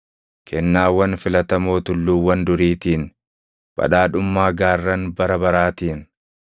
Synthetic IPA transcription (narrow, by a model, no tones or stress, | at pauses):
kʰɛnːaːwɐnfɪlɐt̪ɐmo̞ːt̪ʊlːuːwɐnd̪ʊɾiːt̪iːn | b̥ɐ̰ᶑaːᶑʊmːaːɡaːrːɐnbɐɾɐbɐɾaːt̪iːn